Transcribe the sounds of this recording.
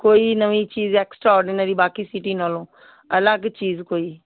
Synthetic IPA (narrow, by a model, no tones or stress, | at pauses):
koːiːnəʋiːt͡ʃiːzeːksʈɾaɔːɾɖɪnəɾiːbaːkiːsɪʈiːnaːlõː | ələɡt͡ʃiːzkoːiː